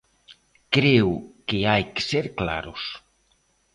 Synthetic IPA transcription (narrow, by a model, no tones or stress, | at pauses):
kɾewkɪajkɪ̥seɾkla̰ɾʊs